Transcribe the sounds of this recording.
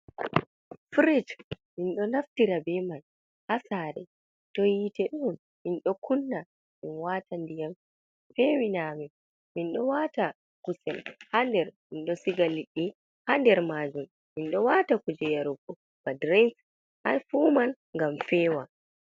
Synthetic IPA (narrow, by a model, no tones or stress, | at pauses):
fɾid͡ʒ | minɗɔnaftiɾabɛman | hasaːɾɛ̰ | tɔjitɛɗun | minɗɔkʰunːa | minwatandijam | fɛwinamɛ | minɗɔwata | kusɛ̰lhandɛɾminɗɔsiɡaliɗːi | handɛɾmaːd͡ʒum | minɗɔwatakud͡ʒɛjaɾuɡɔ | b̥adɾɛns | ʔa̰nfuːman | ŋɡamfɛːwa